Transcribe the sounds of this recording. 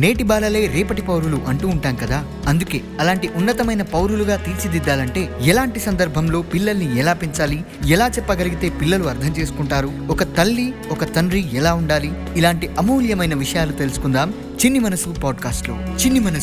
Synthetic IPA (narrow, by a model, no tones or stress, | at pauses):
ne̞ːʈibaːlɐle̞ːɾɛːpɐʈipɐwɾuluʔɐɳʈuːɳʈaːnkɐd̪aː | ɐnd̪uke̞ːɐlaːɳʈiʔunːɐt̪ɐmɐjnɐpɐwɾuluɡaːt̪iːt͡ʃid̪id̪ːaːlɐɳʈe̞ːɛlaːɳʈisɐnd̪ɐɾbʱɐmlo̞ːpilːɐlniɛlaːpiɲt͡ʃaːli | ɛlaːt͡ʃɛpːɐɡɐliɡit̪e̞ːpilːɐluɐɾd̪ʰʱɐmt͡ʃe̞ːsu̥kuɳʈaːɾu | ɔkɐt̪ɐlːiɔkɐt̪ɐnɾiɛlaːuɳɖaːliː | laːɳʈiʔɐmuːljɐmɐjnɐʋiʂɐjaːlut̪e̞lusu̥kund̪aːm | t͡ʃinːimɐnɐsupaːɖkaːsʈloːt͡ʃinːimɐnɐ